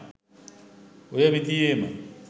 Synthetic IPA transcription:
ʊjabitʼieːma̰

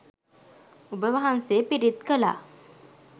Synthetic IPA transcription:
ubəʋaɦansepiɾit̪kəla̰ː

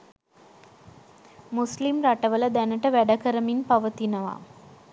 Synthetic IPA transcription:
muslimɾaʈəʋələd̪ænəʈəʋæɖəkəɾəminpaʋət̪inəʋa̰

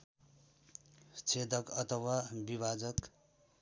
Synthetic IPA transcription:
st͡sʰed̪ʌkʌt̪ʰʌwabibad͡zʌk

